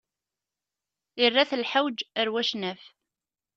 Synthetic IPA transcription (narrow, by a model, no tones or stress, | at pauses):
ɪrːaθəlħawd͡ʒəɾwæʃnæf